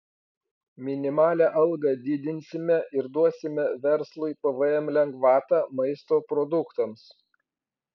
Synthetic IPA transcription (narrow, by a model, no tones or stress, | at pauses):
mʲɪnʲɪmɑːlʲæːʔɐlˠɡɐd̪ʲɪd̪ʲɪnʲsʲɪmʲɛʔɪɾd̪uɔsʲɪmʲɛʋʲɛɾslˠʊɪpɐʋɐɛmlʲɛŋɡʋɑːt̪ɑːmɐɪst̪oːpɾɔd̪ʊkt̪ɐms